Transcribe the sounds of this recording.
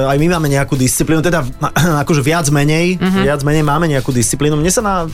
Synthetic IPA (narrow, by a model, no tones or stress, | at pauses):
ajmimaːmɛɲɛakuːd̪ist͡sipliːnut̪ɛd̪aakɔʒɛʋɪad͡zmɛɲɛjʋɪad͡zmɛɲɛjmaːmɛɲɛakuːd̪ist͡sipliːnumɲɛsanaː